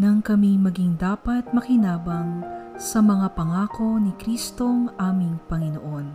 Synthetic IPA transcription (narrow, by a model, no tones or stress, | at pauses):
nɐŋkɐmimɐɡiŋd̪aːpɐt̪̚mɐkɪnaːbɐŋsɐmɐŋapɐŋaːko̞nikɾiːst̪o̞ŋʔaːmɪŋpɐŋɪnoʔo̞n